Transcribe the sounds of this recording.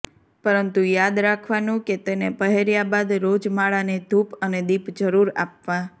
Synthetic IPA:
pəɾənt̪ujad̪ɾakʰʋanũket̪enepəɦeɾjabad̪ɾod͡ʒmaɭaned̪ʱupəned̪ipd͡ʒəɾuɾa̰pʋa

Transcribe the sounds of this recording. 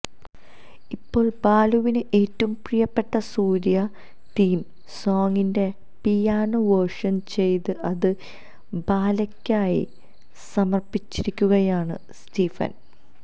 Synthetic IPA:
ipːo̞ːɭbaːluʋinɨʔeːtːɐumprijɐpːe̞ʈːɐsuːɾjɐ | t̪iːm | so̞ːŋɡinde̞ | pijaːnuʋɐrʂɐnt͡ɕe̞jt̪ɨʔɐðɨ | baːlɐkʲːaːjḭ | sɐmɐrpːit͡ɕːiɾikʲːuɣɐjaːɳɨ̰ | stiːfɐ̰n

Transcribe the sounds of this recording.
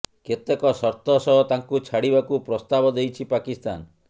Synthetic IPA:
ket̪ekɔsɔɾt̪ɔsɔɦɔt̪aŋkut͡ʃʰaɽibakupɾɔst̪abɔd̪ejt͡ʃʰipakist̪a̰n

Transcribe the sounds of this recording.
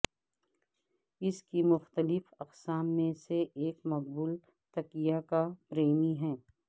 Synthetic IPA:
ɪskimʊxt̪əlɪfɐqsaːmːẽseʔeːkmɐqbuːl | t̪ɐkijakapɾeːmiɦɛ̃ː

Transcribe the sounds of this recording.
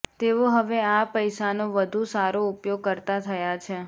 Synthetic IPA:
t̪eʋoɦəʋeapəjʃanoʋəd̪ʱusaɾoupjoɡ̚kəɾt̪at̪ʰəjat͡ʃʰe

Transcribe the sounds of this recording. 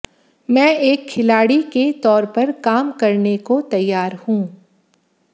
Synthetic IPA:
mɛ̃ːeːkʰːɪlaːɽiket̪ɔːɾpɐɾkaːmkɐɾnekot̪ɐjːaːɾhũː

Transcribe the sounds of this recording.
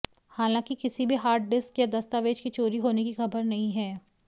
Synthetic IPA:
haːlãːkikɪsibʱiɦaːɾʈ̚ɖɪskjad̪ɐst̪aʋeːd͡ʒkit͡ʃoːɾiɦoːnekixɐbəɾnɐɦĩɦɛː

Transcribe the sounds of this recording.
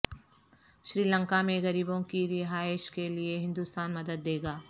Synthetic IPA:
ʃɾiːlə̃ŋkamẽɣɐɾiːbõkiɾɪɦaːɪʃkelieɦɪ̃nd̪ust̪aːnmɐd̪əd̪ːeːɡaː

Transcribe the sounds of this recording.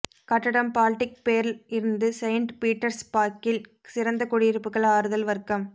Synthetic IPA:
kɐʈːɐɽɐmpaːlɪʈːɪk̚peːɾlɪɾɯnd̪ɯsɐɪɳʈpiːʈːɐɾspaːkːɪl | sɪɾɐnd̪ɐkɔɽɪjɪɾɯpːɯkːɐɭaːɾɯðɐlʋɐɾkːɐm

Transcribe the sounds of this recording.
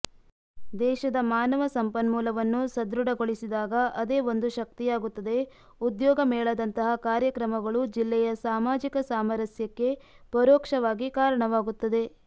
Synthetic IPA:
d̪ɛːʃɐd̪ɐmaːnɐʋɐsɐmpɐnmuːlɐʋɐnːusɐd̪ɾuɽɐɡoɭisid̪aːɡɐʔɐd̪e̞ːo̞nd̪uʃɐk̚t̪ijaːɡut̪ːɐd̪e̞ | ud̪jɔːɡɐmɛːɭɐd̪ɐnt̪ɐɦɐkaːɾjɐkɾɐmɐɡɐɭud͡ʒilːɛjɐsaːmaːd͡ʒikɐsaːmɐɾɐsjɐkːe̞ | pɐɾɔːkʂɐʋaːɡikaːɾɐɳɐʋaːɡut̪ːɐd̪e̞

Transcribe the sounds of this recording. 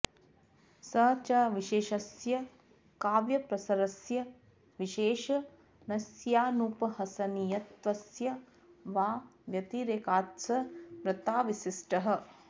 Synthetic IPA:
sɐːt͡ʃɐʋiʃeːʃɐsjɐ | kaːʋjɐpɾɐsɐɾɐsjɐ | ʋiʃeːʃɐ | nɐsjaːnupɐɦɐsɐnijɐt̪ʋɐsjɐ | ʋaːʋjɐt̪iɾeːkaːt̪sɐpɾɐt̪aːʋisisʈɐɦɐ̆

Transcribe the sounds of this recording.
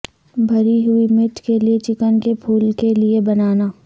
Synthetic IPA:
bʱɐɾiɦʊimɪʈkeliet͡ʃɪkənkepʰuːlkeliebɐnaːnaː

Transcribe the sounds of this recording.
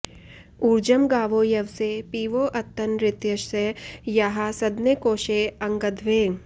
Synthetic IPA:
uːɾd͡ʒəmɡaːʋoːjɐʋsepiːʋoːʔɐt̪ːɐnɾɪt̪jɐʃsejɐɦasɐd̪nekoːʃeɐ̃ŋɡəd̪ʱʋeː

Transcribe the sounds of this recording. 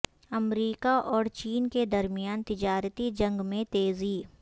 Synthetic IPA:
ɐmɾiːkaʔɔːɾt͡ʃiːnked̪ɐɾmijaːnt̪ɪd͡ʒaːɾət̪id͡ʒɐ̃ŋɡmẽt̪eːziː

